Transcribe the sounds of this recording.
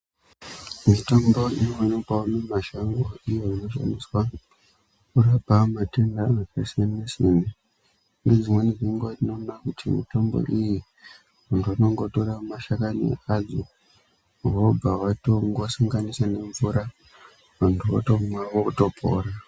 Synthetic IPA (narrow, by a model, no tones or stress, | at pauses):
mito̞mbo̞ijoanopaunemaʃaŋɡoijoino̞ʃa̰niswa | kurapamatendamakesenesine | ned͡zimwe̞niʐiŋɡwad͡zinonakutʰimḭto̞mbo̞̰ʔiji | ʋantʰuwano̞ŋɡo̞toramaʃakanḭad͡zo | wobawatoŋɡosaŋɡanisane̞ɱvuɾa | ʋantʰua̰tomwawokuto̞pʰo̰ːɾa